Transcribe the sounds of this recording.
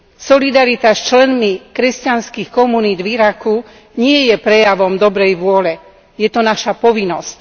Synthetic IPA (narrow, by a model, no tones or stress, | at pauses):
sɔlid̪aɾit̪ast͡ʃlɛnmikɾɛscanskixkɔmuniːd̪viɾaku | ɲɪɛjɛpɾɛjaʋɔmd̪ɔbɾɛjʋʊɔlɛ | jɛt̪ɔnaʃapɔʋinːɔsc